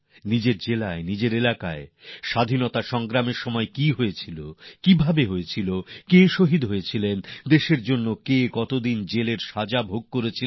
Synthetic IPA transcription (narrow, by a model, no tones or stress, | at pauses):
nid͡ʑeɾd͡ʑelaenid͡ʑeɾelakaeʃad̪ʱinot̪aʃɔŋɡɾameɾʃɔmɔekiɦoet͡ɕʰilokibʱabeɦoet͡ɕʰilokeʃoɦid̪ɦojet͡ɕʰilend̪eʃeɾd͡ʑonːokekɔt̪od̪ind͡ʑeleɾʃad͡ʑabʱoɡ̚koɾet͡ɕʰi